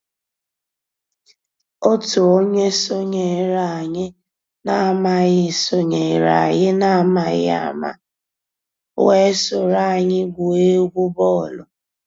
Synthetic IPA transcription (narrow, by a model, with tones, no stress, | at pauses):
o˦tʊ˨o˦ɲe˦so˦ɲe˨ɾa˨a˨ɲɪ˦ | na˦˨ma˨ɣɪ˨so˦ɲe˨ɾa̰˨ɣɪ˦na˦a˦ma˨ɣɪ̰˦a̰˨ma̰˦ | we˦sʊ˨ɾa˦˨ɲɪ˦ɡʷu˨e˦ɡʷʊ˦bɔ˦˨lʊ˨